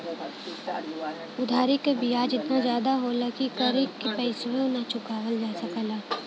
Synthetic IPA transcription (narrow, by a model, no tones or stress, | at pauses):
ʊd̪ʱaːɾɪkebijaːd͡ʒɪt̪nazjaːd̪aɦolɐkikəɾekːepɛɪsʋeʊnat͡ʃʊkaːʋəld͡ʒaːsəkəlaː